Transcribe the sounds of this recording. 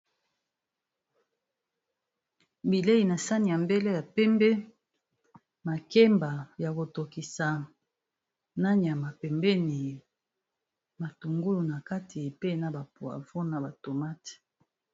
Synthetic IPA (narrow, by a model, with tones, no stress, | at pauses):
bi˨le˦i˨na˨sa˦ni˨ja˨mbe˦le˦ja˨pɛ˦mbɛ˦ | ma˨ke˦mba˨ja˨ko˨to˨ki˨sa˨ | na˦ni˨a˨ma˨pɛ˨mbɛ˦ni˨ | ma˨tu˨ŋɡu˦lu˨na˨ka˦tʰi˨pe˦na˨ba˨pu˨a̰˨vɔ˦na˨ba˨to˨ma˦t